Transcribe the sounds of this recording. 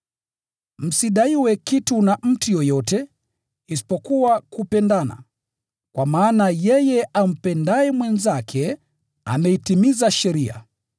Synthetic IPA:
m̩siɗaiwɛkitunam̩tujɔjɔtɛ | isi̥pɔkuwakupɛndana̰ | kwamaːnajɛjɛam̩pɛndaɛmwɛnzakʰɛ | a̰mɛitimizaʃɛɾia̰

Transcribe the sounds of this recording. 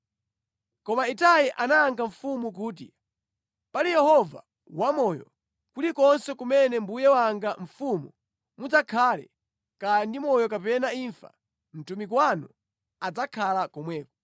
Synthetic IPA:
kɔmaitajiʔanaːŋɡaɱfumuk̬uːt̬ḭ | palijɛhɔva̰ | wamɔjɔ̰ | kulikɔnsɛkumɛnɛmbujawaŋɡaɱfumu | mud͡zakʰaːlɛ̰ | kandimɔjɔk̬apɛnaiːɱfa̰ | m̩tumikwanu | ad͡zakʰalakɔmwɛːkɔ̥

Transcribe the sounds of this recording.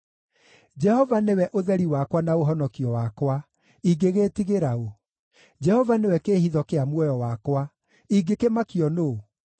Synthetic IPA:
d͡ʒɛhɔvanewɛʔoðɛɾiwakwanaoɦɔnɔkiɔwakwa | iɡeɣeːtiɣeɾao | d͡ʒɛhɔvanewɛkeːhiðɔkeamwɔjɔwakwa | iɡekemakiɔno

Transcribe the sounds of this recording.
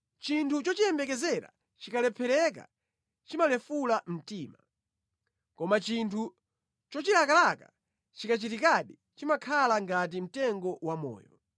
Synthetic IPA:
t͡ʃintʰut͡ʃɔt͡ʃijɛmbɛkɛzɛɾa̰ | t͡ʃikalɛpʰɛɾɛk̬a̰ | t͡ʃimalɛfulam̩tiːma | kɔmat͡ʃintʰu | t͡ʃɔt͡ʃilakalaka | t͡ʃikat͡ʃitikaɗi | t͡ʃimakʰalaŋɡat̬im̩tɛŋɡɔwamɔ̰ːjɔ̰

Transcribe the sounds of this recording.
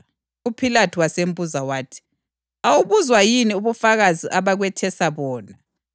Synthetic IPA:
upʰilatʰuwasem̩buzawaːtʰi̥ | awuβuzwajiniuβufaɣaziʔaβaɣwɛtʰɛsaβɔːna

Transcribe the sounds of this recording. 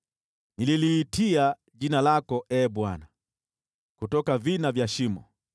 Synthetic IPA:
nililiːtʰia | ʄinalakɔʔɛːɓwana | kutɔkavinavjaʃimɔ̰

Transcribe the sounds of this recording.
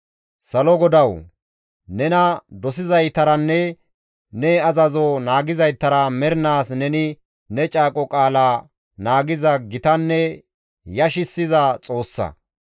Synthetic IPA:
sɐlɔɡɔd̪ɐw | nɛnɐd̪ɔsɪzɐjt̪ɐɾɐnːɛ | nɛɐzɐzɔnaːɡɪzɐjt̪ːɐɾɐmɛɾɪnaːsnɛnɪ | nɛt͡ʃʼaːkʼɔkʼaːlaː | naːɡɪzɐɡɪt̪ɐnːɛ | jɐʃɪsːɪzɐt͡sʼo̞ːsːɐ̰

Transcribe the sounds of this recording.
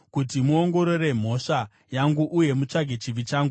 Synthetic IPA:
kutimuo̞ŋɡo̞ɾo̞re̞m̤o̞ʂa | jaŋɡuʔuje̞mut͡ʂaɡʱet͡ʃiʋit͡ʃaːŋɡu

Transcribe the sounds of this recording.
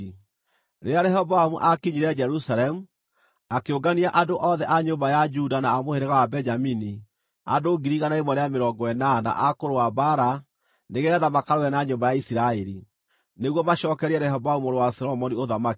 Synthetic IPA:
ɾeaɾɛɦɔβaamṵʔakiɲiɾɛd͡ʒɛɾusaɾɛmu | akeoɡaniaʔadoʔɔðɛʔaɲombajad͡ʒudanaːmoheɾeɣawabɛɲd͡ʒamini | a̰doɡiɾiɣanaemwɛɾeameɾɔɡɔɛnana̰ʔakoɾoabaɾa | neɣɛðamakaɾoɛnaɲobajaisiɾaeɾi | neɣwɔmaɕɔːkɛɾiɛɾɛhɔβaaumuoɾowasɔlɔmɔnioðamaki̥

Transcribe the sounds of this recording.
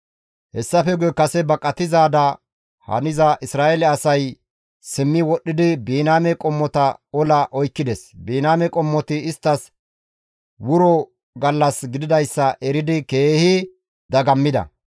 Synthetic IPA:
hɛsːɐfɛɡʊɛkɐsɛbɐkʼɐt̪ɪzaːd̪ɐ | hɐ̰nɪzɐʔɪsɾaːʔɛlɛɐsɐj | sɪmːɪwɔɗːɪd̪ɪbiːnaːmɛkʼɔmːɔt̪ɐɔlɐʔɔjkːɪd̪ɛsbiːnaːmɛkʼɔmːɔt̪ɪɪst̪ːɐs | wʊɾɔ | ɡɐlːɐsɡɪd̪ɪd̪ɐjsːɐʔɛɾɪd̪ɪke̞ːhɪ | d̪ɐɡɐmːɪd̪ɐ̰

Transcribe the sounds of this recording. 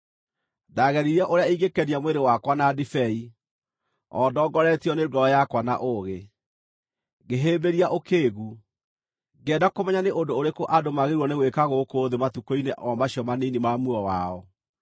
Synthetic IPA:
daɣɛɾiɾɛʔoɾeaiɣekɛɾiamweɾewakwanadifɛi | ɔdɔːɡɔɾɛtiɔneɾuɾɔjakwana̰ʔoɣe | ɣeɦebeɾiaʔokeːɣu | ɡɛːdakomɛɲaneʔondoːɾekoʔadomaɣeɾwɔneɣwekaɣokoðematukoineʔɔmaɕiɔmaninimamuɔwaɔ

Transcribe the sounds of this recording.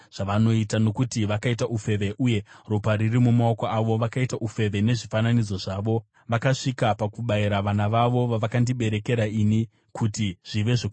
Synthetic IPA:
ʐ̥aʋano̞itano̞kutiʋakaitaʔufe̞ʋe̞ʔuje̞ropaɾirimumao̞koaʋo̞ʋakaitaʔufe̞ʋe̞ne̞ʐifananid͡zo̞ʐaʋo̞ | ʋakaʂikapakuɓaiɾaʋanaʋaʋo̞ʋaʋakandiɓe̞ɾe̞ke̞ɾaini | kutiʐ̥iʋe̞ʐek

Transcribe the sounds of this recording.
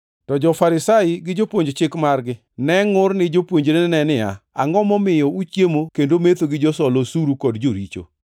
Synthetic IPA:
tɔd͡ʒɔfaɾɪsaɪɡɪd͡ʒopwoɲd͡ʒt͡ʃɪkmarɡɪ | nɛŋʊrnɪd͡ʒopwoɲd͡ʒɾenɛnɪa̰aŋɔmɔmɪjɔut͡ʃjemokendomet̪oɡɪd͡ʒɔsɔlosuɾukɔdd͡ʒoɾit͡ʃo̰

